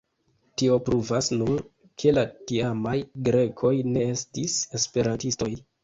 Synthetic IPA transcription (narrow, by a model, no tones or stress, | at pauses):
tio̞pɾuvasnun | kʰe̞latiamajɡɾe̞kʰo̞jne̞e̞stise̞spe̞ɾantisto̞j